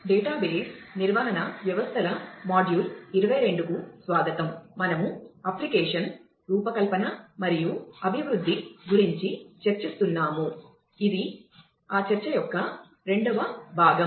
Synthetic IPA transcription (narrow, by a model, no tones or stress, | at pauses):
ɖɛːʈaːbeːsniɾʋɐɦɐnɐʋjɐʋɐst̪ʰɐlɐmaːɖjuːliɾɐʋɐjɾe̞ɳɖukusʋaːɡ̪ɐt̪ɐmmɐnɐmuɐplikeːʂɐn | ɾuːpɐkɐlpɐnɐmɐɾijuɐbʱiʋɾud̪ʱːiɡuɾiɲt͡ʃit͡ʃɐɾt͡ʃist̪unːaːmu | id̪i | aːt͡ʃɐɾt͡ʃɐjɔkːɐ | ɾe̞ɳɖɐʋɐbʱaːɡɐm